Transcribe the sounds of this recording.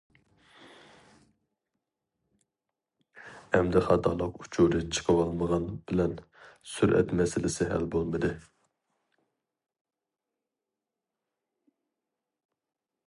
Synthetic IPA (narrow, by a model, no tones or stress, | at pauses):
ɛmd̪ɪχɑt̪ʰɑlˠəqu̥t͡ʃʰuɾɨt͡ʃʰə̥qʰəwɑlˠməʁɑnb̥ɪlɛnsyɾʔɛ̰t̪mɛsɪlɪsɪɦæ̰lbolˠmɨd̪ɨ